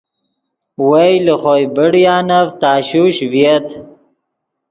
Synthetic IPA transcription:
wajləχojbəɽjɑːnavt̪ɑːɕuɕvjet̪

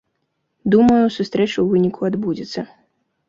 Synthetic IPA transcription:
d̪umɐjusust̪ɾɛt͡ʂuwvɨnʲikʰuad̪bud͡zʲit̪sːɐ

